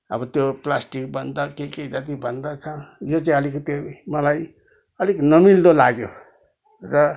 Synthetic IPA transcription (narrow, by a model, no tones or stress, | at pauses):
ʌ̰bʌt̪joplasʈik̚bʌnd̪akekejd͡zat̪ibʱʌnd̪at͡sʰʌjot͡saĩʌlikt̪emʌlaj | ʌliknʌmild̪olaɡjo̰ | rʌ